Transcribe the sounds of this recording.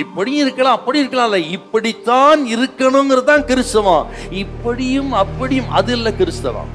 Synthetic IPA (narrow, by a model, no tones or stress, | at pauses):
ɪpːɐɽɪjɪɾɯkːɐɭãːɐpːɐɽiɪɾɯkːɐɭaːɪlːɐɪpːɐɽit̪ːaːnɪɾɯkːɐɳʊŋɡɪɾɐt̪ãːkɪɾɯst̪ːɐʋãːɪpːɐɽɪjɯmɐpːɐɽɪjɯmɐðɪlːɐkɪɾɯst̪ːɐʋã̰ː